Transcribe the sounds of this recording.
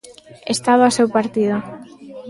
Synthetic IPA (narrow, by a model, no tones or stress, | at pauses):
est̪aβoasewpaɾt̪iðʊ